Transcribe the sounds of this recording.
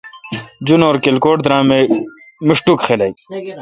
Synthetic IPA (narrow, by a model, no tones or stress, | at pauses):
d͡ʑunoːɾkelkoːʈd̪ɾãːme | muʂʈukxelɐj